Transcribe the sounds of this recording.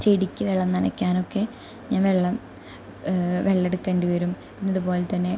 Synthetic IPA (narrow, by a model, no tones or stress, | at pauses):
t͡ɕeɽikʲːɨʋeɭːɐmnɐnɐ̰kʲːaːno̞kːe̞ | ɲaːnʋeɭːɐm | ʋeɭːeɽukːeːɳɖuʋɐɾum | pinːɐðupo̞ːlet̪ɐnːe̞